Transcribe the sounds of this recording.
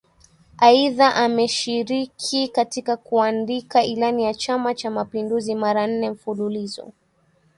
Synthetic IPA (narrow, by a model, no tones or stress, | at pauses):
aiðaʔamɛʃiɾikʰikatikakuandikailanijat͡ʃamat͡ʃamapinduzimaɾan̩nɛm̩fululizɔ̰